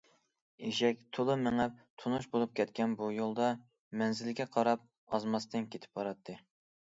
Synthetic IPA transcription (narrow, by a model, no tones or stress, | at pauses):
eʃɛk̚ʲt̪ʰolˠɨmɪŋæp̚t̪ʰunuʃbolˠup̚kʲʰɛt̪kʲɛnbujolˠd̪ɑ | mɛnzɪlɡʲɛqʰɑɾɑp̚ | ɑzmɑst̪ɨnkʲʰet̪ʰɪ̥p̚bɑɾɑt̪ʰːɨ